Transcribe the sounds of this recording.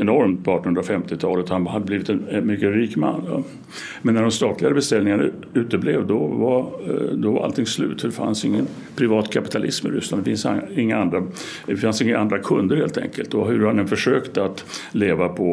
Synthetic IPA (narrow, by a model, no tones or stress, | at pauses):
ɛnɔɾmt̪̚pʰɔɑːʈɔnhɵnɾafɛmt̪ɪt̪ʰɑ̰ːlət̪hanhad̪ːəbliːvɪt̪ɛnmʏkːəɾiːkma̰nːjɑ̰ | mɛnːæɖɔmst̪ɑːt̪ʰlɪɡaɾəbɛst̪ɛlnɪŋaɳa | ʉ̟ːt̪əblevd̪ɔvad̪ɔvaɾʔa̰lt̪ʰɪŋslʉ̟̰ːt̪ʰːɔd̪ɛfa̰nsɪŋːən | pʰɾɪvɑːt̪kʰapɪt̪ʰalʔɪsmɪ̰ɾʏ̰sland̪ɛfɪnsɪŋːaand̪ɾa | d̪ɛfansɪŋːaʔand̪ɾakʰɵnd̪əɾheːlt̪ʰɛ̰ŋkəlt̪ɔɦɵɾhand̪ɛnfœʂøːkt̪əat̪leːvapʰɔ